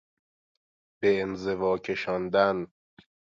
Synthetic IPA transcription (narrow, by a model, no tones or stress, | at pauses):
b̥eːnzevɒːcʰe̞ʃɒːnd̪æn